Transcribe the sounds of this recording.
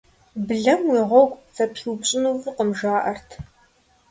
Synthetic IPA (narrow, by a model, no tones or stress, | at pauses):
bɨɮɐmwiːʁʷɔwkʷt͡sʼɐpʰiwpɕʼɪnuvɨqəmʒaːʔɐrtʰ